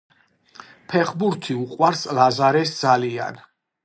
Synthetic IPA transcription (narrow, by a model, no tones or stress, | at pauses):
pʰɛχbuɾt̪ʰiuqʼwaɾslazaɾɛsd̪zalia̰n